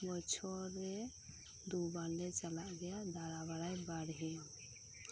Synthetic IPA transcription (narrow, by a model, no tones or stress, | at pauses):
bɔt͡ʃʰɔɾɛ | d̪ubaɾlɛt͡ʃalaʔɡɛjad̪aɾabaɽajbaɽɦɛ